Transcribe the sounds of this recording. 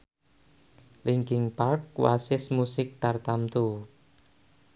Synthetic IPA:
lɪŋkɪŋpark̚wa̰sɪsmusɪk̚t̪art̪amt̪u

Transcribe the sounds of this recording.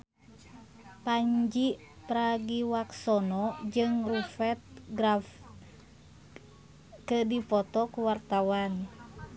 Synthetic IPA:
paɲd͡ʒi | pɾaɡiwaksɔnɔd͡ʒɨŋrufɛt̪̚ɡɾaf | kədipɔt̪ɔkuwart̪awan

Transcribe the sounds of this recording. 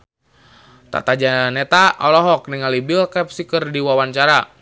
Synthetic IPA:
t̪a̰t̪ad͡ʒanɛt̪aʔɔlɔɦɔk̚niŋalibilkap̚sikərdiwawant͡ʃaɾa

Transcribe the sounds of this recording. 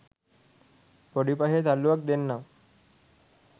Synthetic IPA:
poɽipaɦed͡zaluʋək̚d̪enːaʋ

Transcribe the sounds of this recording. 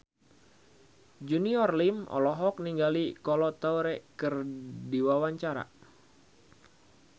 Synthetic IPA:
d͡ʒuniɔrlimɔ̰lɔɦɔk̚niŋɡalikɔlɔt̪awɾɛkɨrdiwawaɲt͡ʃaɾa̰

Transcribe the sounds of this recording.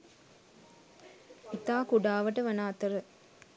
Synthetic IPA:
it̪aːkuɖaːʋɐʈəʋɐnaːt̪ɐɾə

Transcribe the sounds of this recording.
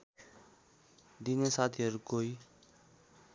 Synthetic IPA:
d̪iːneːsaːt̪ʰiːəɾkoːiː

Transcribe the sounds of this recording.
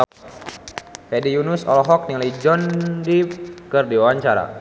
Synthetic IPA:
fedijunʊsɔ̰lɔɦɔk̚niŋalaid͡ʒɔndikərdiwawaɲt͡ʃaɾa̰

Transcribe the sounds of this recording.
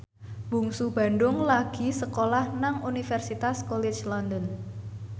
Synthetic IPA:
b̥ṳŋsub̥a̤nɖʊŋlaɡ̥i̤səkolahnaŋunifɛrsit̪askɔlet͡ʃlɔnd̪ən

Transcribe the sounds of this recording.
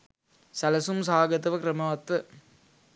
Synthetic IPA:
sɐlɐsumsaːɡɐt̪ɐʋɐkɾɐmɐʋɐt̪ʋɐ

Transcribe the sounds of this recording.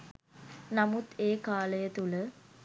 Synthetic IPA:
nɐmut̪eːkaːləjət̪ulə

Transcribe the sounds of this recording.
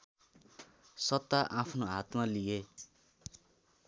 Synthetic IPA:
sʌt̪ːaʔapʰnoɦat̪malije

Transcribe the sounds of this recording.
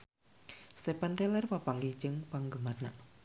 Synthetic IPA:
st̪epant̪ɛlɛrpapaŋɡid͡ʒəŋpaŋɡəmarnaʔ

